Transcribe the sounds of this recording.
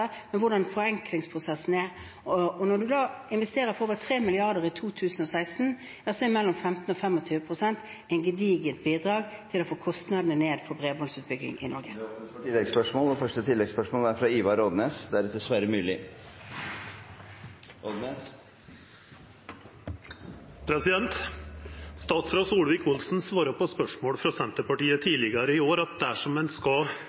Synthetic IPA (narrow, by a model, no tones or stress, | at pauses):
əmɛnʋʊɖɑnfɔɾɛŋklɪŋspʰʁʊsɛsn̩æ | ɔnɔd̪ʉd̪ɑːɪnʋɛst̪eːɾʁəfɔoːʋət̪ʰɾeːmɪlɪɑʁd̪əʁɪt̪ʰuːt̪ʰʉːsən̩ɔsæɪst̪n̩ | jɑsɔɛmɛlːɔmfɛmt̪n̩ɔfɛmːɔt̪ʰyːʋəpʰʁʊsɛnt̪ | ɛɪnɡəd̪iːɡət̪̚biːd̪ʁɑːɡt̪ʰɪlɔfoːkʰɔst̪nɑd̪nəneːd̪fɔbʁeːbɔnsʉːt̪̚bʏɡɪ̰ŋʔɪ̰nɔɾɡəɪlːɛɡspœʂmɔːlfœʂʈət̪ʰɪlːɛɡspœʂmoːlæɾfɾɑiːʋɑɾɔd̪neːsd̪ɛæɾɛt̪̚d̪ɛsʋæɾəmʉːlɪ | ʔɔd̪nes | pʰɾɛsɪd̪ɛnt̪ | st̪ɑːt̪sɾɑsuːlʋɪkʊlsn̩sʋɑːɾəpʰɔspœʂmoːɽfɾɑsɛnt̪əpɑʈiːət̪ʰiːlɪɡɑɾəɪoːɾɑt̪̚d̪ææʂɔmːɛnskɑ